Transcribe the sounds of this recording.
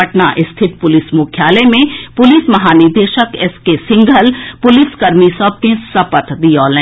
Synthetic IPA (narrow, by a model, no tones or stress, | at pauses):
əʈnaʔɪst̪ʰɪt̪̚pʊlɪsmʊkʰjaːlemẽpʊlismɐɦaːnɪɾd̪eːʃəkɛskesɪ̃ŋɡʱəlpʊlɪskɐɾmisɔb̚kẽsɐpət̪d̪iɔːlɛ̃